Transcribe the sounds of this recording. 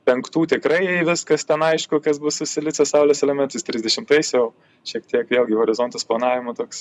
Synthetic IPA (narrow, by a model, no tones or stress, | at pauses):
pʲɛŋkt̪uːt̪ʲɪkɾɐɪʋʲɪskɐst̪ʲɛnɐɪʃkʊkɐsbʊssʊsʲɪlʲɪt͡s̪ʲɛsɐʊlʲosɛlʲɛmʲɛnt̪ɐsʲt̪ʲɾʲɪzʲd̪ʲɛʃʲɪmt̪ɐɪsjɛʊ | ʃʲiɛkt̪ʲiɛkʋʲeːlˠɡʲɪhoːɾʲɪzont̪ɐsplˠɐnɑːʋʲɪmot̪oːks